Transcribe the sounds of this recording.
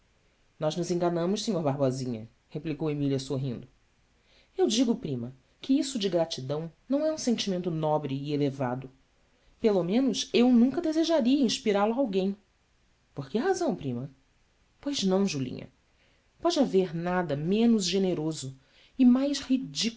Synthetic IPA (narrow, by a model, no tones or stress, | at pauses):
nɔznʊzẽŋɡɐnɐ̃mʊʃsĩɲoɾbaɦbɔzĩɲɐ̰ | heplikowemiliɐsoɦḭ̃nd̪ʊ | ewd͡ʒiɡʊpɾĩmɐ | kɪisʊd͡ʒɪɡɾat͡ʃid̪ɐ̃w̃nɐ̃w̃ɛũsẽnt͡ʃimẽnt̪ʊnɔbɾɪːelevad̪ʊ | pelomẽnʊsewnũŋkɐd̪ezeʒaɾiɐĩʃpiɾalʊaawɡẽj̃ | poɾkɪɦazɐ̃w̃pɾĩmɐ | pojznɐ̃w̃ʒulḭ̃ɲɐ̰ | pɔd͡ʒɪaveɾnad̪ɐmẽnʊzʒeneɾozʊ | ɪmajshid͡ʒi